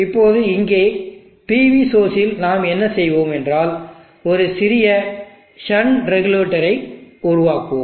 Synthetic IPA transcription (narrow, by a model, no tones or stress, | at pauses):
ɪpːoːðɯɪŋɡeː | piːʋisoːsɪlnaːmɛnːɐsɛjʋoːmɛndraːl | ɔɾɯsɪɾɪjɐ | ʃɐɳɾɛɣɯleːʈːɐɾɐɪʊɾʊʋaːko̰ːmm